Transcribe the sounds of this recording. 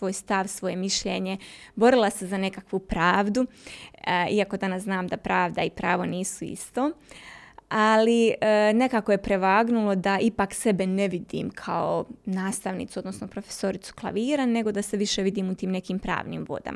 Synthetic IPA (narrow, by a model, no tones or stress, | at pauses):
sʋo̞ːjst̪aʋsʋo̞je̞miʃʎeɲe̞bo̞ɾilˠasezane̞kakʋupɾaːʋd̪u | iako̞d̪anasznaːmd̪apɾaːʋd̪aipɾaːʋoniːsuḭst̪oː | aliəne̞kako̞je̞pɾe̞ʋaːɡnulˠo̞d̪aʔipakse̞beneʋid̪ḭːmkʰaonaːst̪aʋnḭt̪suod̪no̞snopɾofe̥so̞ɾit̪su̥klˠa̰ʋiːɾane̞ɡo̞d̪ase̞ʋiʃeʋid̪iːmut̪iːmne̞kiːmpɾa̰ːʋnḭːmʋo̰d̪a̰m